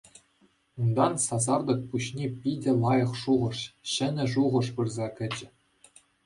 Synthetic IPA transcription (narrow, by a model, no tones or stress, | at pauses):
und̪ɑnsɑzɑrd̪ɤ̆k̚puɕnʲepʲidʲɘ̆lˠɑjɤ̆χʂuʁɤ̆ʂɕɘ̆nʲɘ̆ʐuʁɤ̆ʂpɯrzɑkʲɘ̆d͡ʑɘ̆